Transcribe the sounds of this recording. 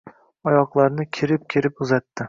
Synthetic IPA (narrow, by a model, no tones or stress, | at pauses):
ɒjɒqlˠaɾnɪkʲʰeɾɪp̚kʲʰeɾɪpʊzat̪ʰːɪ